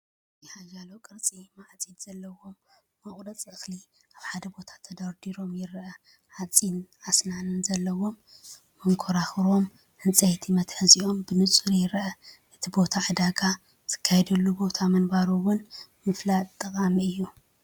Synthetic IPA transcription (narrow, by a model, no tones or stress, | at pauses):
jɪhaʒalokʼɨɾt͡sʼimaʕt͡sʼinz̥ɐlːɐwo̞mː | ɐχʼɾɐt͡sʼɨxli | ʔaβħad̪ɐbo̞t̪ʰḁt̪ʰɐd̪ɐɾd̪iɾo̞mjɪɾʔɐ | ħat͡sʼinʕasnanɨnzɐlːɐwo̞mː | ɐŋkʰoɾaxɾo̞m | hɨnt͡sʼɐjt̪ʰimɐt̪ħɨziʔo̞mbɨnɨt͡sʼɨɾjɪɾʔɐʔɨt̪ʰibo̞t̪ʰaʕɨd̪aɡa | zɨ̥kʰːajɛd̪ɐlːubo̞t̪ʰamɐnbaɾuwʊnmɨflat̪ʼt̪ʼːɐkʼamiɨjːu